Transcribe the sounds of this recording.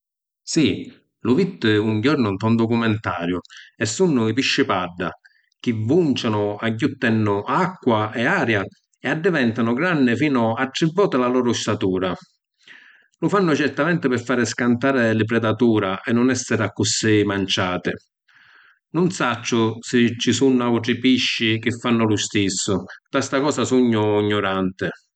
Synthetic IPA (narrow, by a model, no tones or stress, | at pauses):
si | lʊvit̪ːɪuŋɟɔɾnʊnt̪ɔnd̪ɔkumɛnt̪aːɾjʊɛsːunːʊipiʃːɪpaɖːa̰ | k̟ɪvːunt͡ʃanʊaɟːut̪ːɛnːʊakːwaɛaːɾja | ɛad̪ːɪvɛnt̪anʊɡɾanːɪfiːnʊaʈːɾivːɔːt̪ɪlalɔːɾʊst̪at̪uːɾa | lʊfanːʊt͡ʃɛrt̪amɛnt̪ɪpɪfːaːɾɪskant̪aːɾɪlɪp̬ɾɛd̪at̪uːɾaʔɛnːʊnɛsːɪɾakːʊsːimant͡ʃaːt̪ɪ | nʊnsat͡ʃːʊsɪt͡ʃːisunːauʈ̪ɾɪpiʃːik̟ɪfːanːʊlʊst̪isːʊt̪ast̪akɔːsasuɲːʊiɲːʊɾant̪ɪ